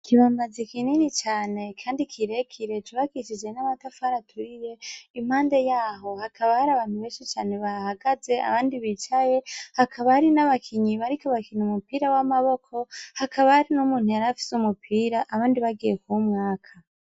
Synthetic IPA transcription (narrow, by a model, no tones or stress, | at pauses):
kʰiβaːmbazikininit͡ʃaːne̞kʰaːndikʰiɾe̞kʰiɾe̞tuβakit͡ʃid͡ʒe̞namatafaɾatʰuɾiɾe̞im̥haːnde̞jaːɦo̞hakʰaβahaɾaβaːn̥huβeːʃit͡ʃaːne̞βahaɡaze̞a̰βaːndiβit͡ʃaje̞hakʰaβahaɾinaβakʰiɲiβaɾikoβakiɲiumupiːɾawamaβo̞kʰo̞hakaβahaɾinumuːn̥hujaɾafi̥sumupʰiːɾaʔːβaːndiβaɡijekumŋaːkʰa